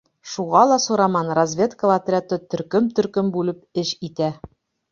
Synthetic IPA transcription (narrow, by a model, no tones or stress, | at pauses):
ʃuʁɑlˠɑsuɾɑmɑnrɐzʲvʲe̞t̪kəlat̪rʲat̪ɤt̪ɵ̆ɾkɵmt̪ɵ̆ɾkɵmbʉlɘpɘʃit̪æ